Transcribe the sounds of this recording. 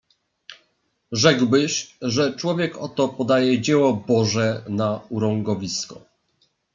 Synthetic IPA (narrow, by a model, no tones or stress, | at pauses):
ʐɛɡwbɘɕʐɛt͡ʂwɔvʲjɛkɔt̪ɔpɔd̪ajɛd͡ʑɛwɔbɔʐɛnauɾɔŋɡɔvʲiskɔ